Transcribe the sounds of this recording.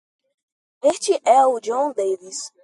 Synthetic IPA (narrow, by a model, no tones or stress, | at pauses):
est͡ʃiʔɛud͡ʒõd̪ejvis